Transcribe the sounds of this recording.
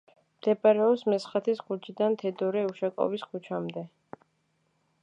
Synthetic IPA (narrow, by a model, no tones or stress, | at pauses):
md̪̥ɛbaɾɛɔpsmɛsχat̪ʰisɡud͡ʒid̪ant̪ʰɛd̪ɔɾɛuʃakʼɔ̰viskʰut͡ʃʰamd̪ɛ